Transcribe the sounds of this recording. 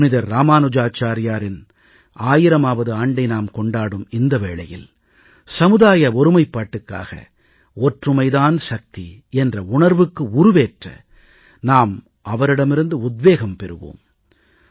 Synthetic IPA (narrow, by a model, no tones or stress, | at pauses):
nɪðɐɾːaːmaːnɯd͡ʒaːt͡ʃaːɾɪjaːɾɪn | aːjɪɾɐmaːʋɐðɯaːɳɖɐɪnaːmkɔɳɖaːɽɯmɪnd̪ɐʋeːɭɐjɪ̰l | sɐmɯðaːjɐɔɾɯmɐɪpːaːʈːɯkːa̰ːɣɐ̰ | ɔʈrɯmɐɪðaːnʃɐk̚t̪iɛndrɐʊɳɐɾʋɯkːɯʊɾɯʋeːʈrɐ̰ | naːm | ʔɐʋɐɾɪɽɐmɪɾɯnd̪ɯʊd̪ʋeːɣɐmpɛɾɯʋo̰ːm